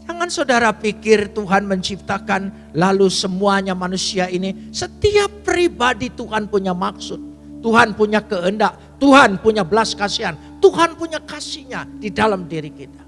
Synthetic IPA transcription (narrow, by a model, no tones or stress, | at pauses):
d͡ʒaŋansaudaɾapikɪrt̪uɦanməɲt͡ʃip̚t̪akan | lalusəmuaɲamanusiainisət̪iapːɾibadit̪uɦanpuɲamaksʊt̪̚ː | uɦanpuɲakəəndaʔ | t̪uɦanpuɲabəlaskasian | t̪uɦanpuɲakasiɲadidalamdiɾikit̪ḁ